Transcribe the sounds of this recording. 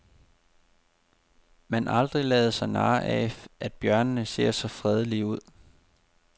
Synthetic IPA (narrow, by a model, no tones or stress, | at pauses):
mænʔɑ̈ld̥ʁilɛːð̞̩ˠsɑ̈ɪnɑ̈ːʔæʔæd̥̚b̥jɶɐnənəse̝ːɐ̰sɒ̽fʁɛð̞ˠəliuð̞̰ˠ